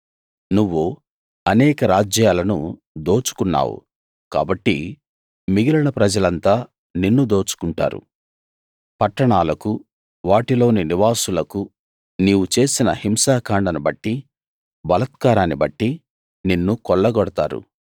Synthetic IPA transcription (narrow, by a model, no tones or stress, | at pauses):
nuʋːu | ɐnɛːkɐɾaːd͡ʒjaːlɐnṵ | d̪o̞ːt͡ʃu̥kunːa̰ːwṵ | ka̰ːbɐʈːḭ | miɡilɐɳɐpɾɐd͡ʒɐlɐnt̪aː | ninːud̪o̞ːt͡ʃu̥kuɳʈa̰ːɾṵ | pɐʈːɐɳaːlɐku | ʋaːʈilo̞ːniniʋaːsulɐku | niːwut͡ʃe̞ːsinɐ̰himsaːkaːɳɖɐnubɐʈːi | bɐlɐt̪̚kaːɾaːnibɐʈːi | ninːukɔɭːɐɡɔɽɐt̪aːɾṵ